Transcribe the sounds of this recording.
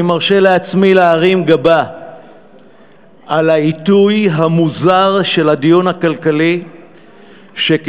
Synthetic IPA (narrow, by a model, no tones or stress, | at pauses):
imaʁʃe̞leat͡smileaʁimɡaba | alaitujɦamuzaʁʃe̞lhad̪ijunhakalkali | ʃe̞k